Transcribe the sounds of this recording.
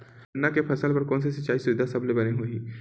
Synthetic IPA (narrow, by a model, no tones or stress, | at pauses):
nːakepʰɐsəlpɐɾkɔːns̬esɪt͡ʃaːisʊʋɪd̪ʱasɐblebɐneɦoːĩː